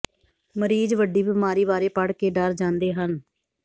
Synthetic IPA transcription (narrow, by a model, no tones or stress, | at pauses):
məɾiːd͡ʒʋəɖiːbəmaːɾiːbaːɾeːpəɽkeːɖəɾd͡ʒãːnd̪eːɦən